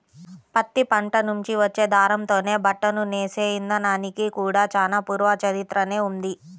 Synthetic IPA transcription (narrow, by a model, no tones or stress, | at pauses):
pɐt̪ːipɐɳʈɐnuɲt͡ʃiʋɐt͡ʃːe̞ːd̪ʱaːɾɐmt̪o̞ːne̞ːbɐʈːɐnuneːseːjind̪ɐnaːnikikuːɽaːt͡ʃaːlaːpuːɾʋɐt͡ʃɐɾit̪ɾɐne̞ːund̪i